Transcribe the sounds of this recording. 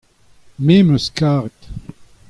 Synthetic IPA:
memøskaːʁet̪

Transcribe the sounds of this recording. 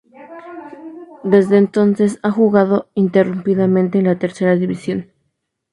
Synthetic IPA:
d̪e̞zðeːnt̪o̞nse̞saxuɣaðo̞int̪e̞rumpiðamẽ̞nt̪e̞ːnlat̪e̞ɾse̞ɾaðiβisjo̞n

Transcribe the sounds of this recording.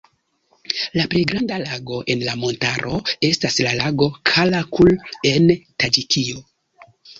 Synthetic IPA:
lapɾe̞jɡɾandalaɡo̞ʔe̞nlamo̞ntaɾʔo̞e̞staslalaɡo̞kʰalakʰule̞ntad͡ʒikʰio

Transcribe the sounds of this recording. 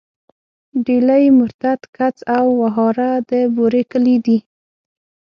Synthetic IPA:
ɖelajmʊɾt̪at̪kat͡sawːaɦɑɾad̪əboɾekəlid̪i

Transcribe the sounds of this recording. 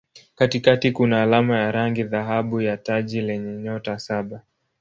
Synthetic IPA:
katikatikunaːlamajaɾaŋɡiðaɦaɓujataʄilɛɲɛɲɔtasaɓa

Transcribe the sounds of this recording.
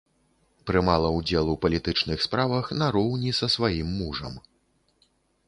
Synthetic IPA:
pɾɨmalˠɐud͡zʲɛlˠupɐlʲit̪ɨt͡ʂnɨxspɾavɐxnɐɾɔwnʲisɐsvajimːuʐɐ̰m

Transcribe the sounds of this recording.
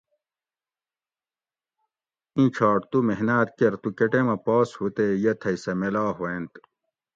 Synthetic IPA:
ĩt͡ɕʰaːʈt̪umeɦnaːt̪̚keɾt̪ukeʈemɐpoːshut̪ejɐt̪ʰɐisɐmelaːɦoẽnt̪

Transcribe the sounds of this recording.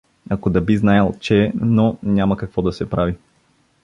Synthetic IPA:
ɐkod̪ɐbiznajəlˠt͡ʃɛnonʲamɐkɐkvɔd̪ɐsɛpɾavi

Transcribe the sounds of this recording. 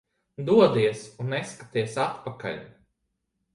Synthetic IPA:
d̪uɔd̪iɛsunːɛskat̪iɛsat̪paka̰lʲ

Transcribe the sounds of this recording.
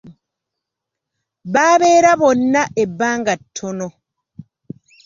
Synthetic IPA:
βaːβe̞ːɾaβo̞nːaʔebːaːŋɡatʰːono

